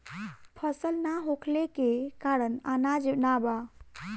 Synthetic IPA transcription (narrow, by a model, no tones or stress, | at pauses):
pʰəsəlnaɦokʰlekekaɾənanad͡ʒnaba